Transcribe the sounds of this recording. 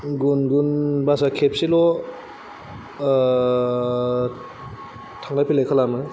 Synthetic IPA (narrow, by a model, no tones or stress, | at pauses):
ɡunɡunbasakʰep̚silɔ | tʰaŋdapʰilekʰalamɯ